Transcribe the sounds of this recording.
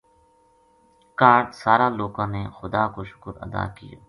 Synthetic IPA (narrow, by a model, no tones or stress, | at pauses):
kaːɾɖsaːɾaːloːɡãːnexʊd̪aːkoːʃʊ̥kəɾɐ̰d̪a̰ːkija̰ː